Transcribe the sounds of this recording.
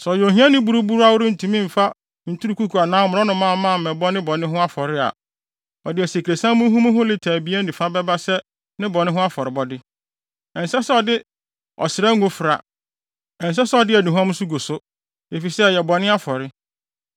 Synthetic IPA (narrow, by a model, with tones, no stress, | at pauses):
sɔ˨jo˨ɦĩ˦ã˦nɪ̃˦bu˦ɾu˦bu˦ɾu˦a˦wʊ˦ɾɪ˦n̩˨tʰũ˨mĩ˦m̩˨fa˦ | n̩˨tʰu˦ɾu˨kʰu˦kʰu˨a˨nãː˦mʊ̃˨ɾɔ˦nʊ̃˨mã˦˨˦mãː˦˨ɛ̃˨bɔ˦nɪ̃˦bɔ˨nɪ̃˦ɦʊ̃˦a˦fɔ˨ɾɪ˦a̰˨ | ɔ˨dɪ˨ɛ˨se˨kʰɾe˨sã˦mʊ̃˦ɦũ˦mʊ̃˦ɦʊ̃˦lɪ˦tʰaː˨bi˨˦æ˦n̩˦dĩ˨fa˦bɛ˦ba˦sɛ˦ | nɪ̃˦bɔ˨nɪ̃˦ɦʊ̃˦a˦fɔ˨ɾɪ˨bɔ˦dɪ˦ | ɛ̃˨n˨sɛ˦sɛ˦ɔ˨dɪ˦ | ɔ̰˨sɪ˨ɾɛ˦ŋ˦ɡʊ̃˦fɪ˨ɾa̰˨ | ɛ̃˨n̩˨s̬ɛ˦sɛ˦ɔ˨dɪ˦ɛ˨nĩ˨ɦɔ̃˦m˦su˦ɡo˨sʊ˦ | e˨fi˨sɛ˦˨jɛ˨bɔ˨nɪ̃˦a˦fɔ˨ɾɪ˦